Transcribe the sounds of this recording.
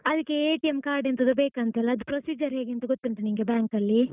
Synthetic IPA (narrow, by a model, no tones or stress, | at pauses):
ɐd̪ɐkːeeːʈijemkaːɾɖent̪ɐd̪ubeːkɐnt̪elːɐːd̪upɾosiːd͡ʒɐɾɦeːɡeɐnt̪ɐɡot̪ːinʈ̪ɐniŋɡebjaːŋkɐlːi